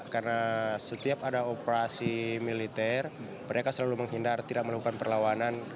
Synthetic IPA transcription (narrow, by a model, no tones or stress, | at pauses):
karnasət̪iapadaopəɾasimilit̪ɛr | məɾʔekasəlaluməŋɦindart̪idaʔ̚məlakukanpərlawanan